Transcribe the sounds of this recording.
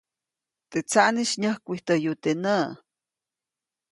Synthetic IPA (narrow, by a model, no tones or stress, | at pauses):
t̪et͡saʔniʃɲəhkʷit̪əjut̪enə